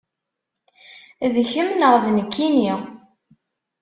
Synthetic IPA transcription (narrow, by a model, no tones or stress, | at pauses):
ðçəmnəʁðnəkːini